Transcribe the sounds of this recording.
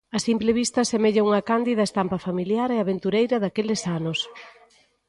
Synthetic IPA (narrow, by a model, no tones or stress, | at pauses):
ɐsimpleβ̞ist̪ɐsemeʎauŋɐkand̪iðɐest̪ampɐfamiljaɾɛaβent̪uɾejɾɐðakelɪsanʊs